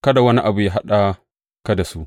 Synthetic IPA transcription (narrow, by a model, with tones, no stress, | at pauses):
ka˦da˨wɐ˦ni˦ʔa˨bu˨ja˦ɦa˦ɗa˦ | ka˦da˨su˦